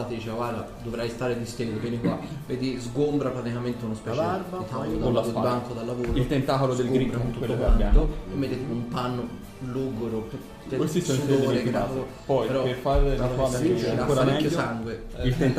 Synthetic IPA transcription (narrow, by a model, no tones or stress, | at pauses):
at̪d̪iːt͡ʃeaɡward̪a̰d̪ovɾajst̪aːɾed̪ist̪eːd̪openekwaveːd̪izɡombɾapɾat̪ikament̪eunospɛt͡ʃɾbat̪aod̪lːabaŋkod̪alːavoːɾilt̪ent̪aːkolod̪elɡɡɾiakont̪ukelːokand̪omːet̪ːet̪eumpanːo | luːɡoɾo | kwesisoud̪oːɾeɡɾao | pɔjpeɾɔpefaɾaoaaakoɾaaɾɛɛkːjosaŋɡweilen